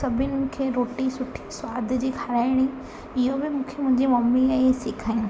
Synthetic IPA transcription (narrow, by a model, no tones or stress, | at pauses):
sɐbʱɪnɪkʰeːɾoːʈisʊʈʰi̥swaːd̪ʱd͡ʑiːkʰɐɾaːɪɽ̃i | ɪɦobɪmũːkʰemʊ̃ɦɪ̃ɲd͡ʑimɐmiesɪkʰaːĩ